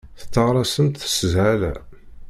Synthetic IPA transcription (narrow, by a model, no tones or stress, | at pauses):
θə̥t͡s̪ːɑʁɾˤɑsənt̪θə̥səzʕælæ̰